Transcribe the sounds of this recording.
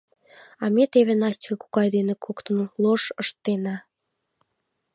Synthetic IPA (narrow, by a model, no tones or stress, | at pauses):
ɑmet̪eβenɑsʲtʲi̥kɤku̥kɑjd̪enekʰokt̪ə̆nloʃəʃt̪ːenɑ